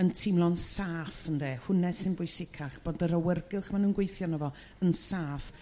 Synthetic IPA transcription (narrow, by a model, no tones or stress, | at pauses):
əntʰɪmlˠɔnsaːfəndeːhʊnɛ̥sɪnbʊjsɪkʰaχb̥oːdəɾəwɛrɡɪlˠχmanuːnɡwejθjɔnəvɔ | ənsaːf